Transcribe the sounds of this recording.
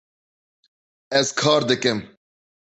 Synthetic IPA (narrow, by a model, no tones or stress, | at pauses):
ɛzkʰɑːɾd̪ɨkɨm